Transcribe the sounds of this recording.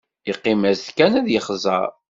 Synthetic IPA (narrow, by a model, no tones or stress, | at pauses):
əqːimæzθkænæðjəχzˤə̰ɾ